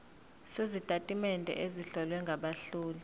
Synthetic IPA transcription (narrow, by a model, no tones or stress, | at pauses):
sezitʼatʼimɛndʱʼɛ̰ʔeziɬɔlwɛŋɡʱaɓaɬuːlu